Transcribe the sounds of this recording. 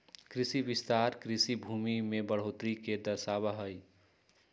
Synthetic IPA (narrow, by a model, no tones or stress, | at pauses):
kɾɪsiʋɪst̪aɾkɾɪsibʱuːmimẽbəɽ̤oːt̪ɾiked̪əɾsabəɦəj